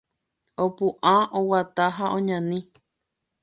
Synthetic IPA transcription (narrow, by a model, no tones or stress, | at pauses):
opũʔãowat̪aɦaʔõɲãnĩ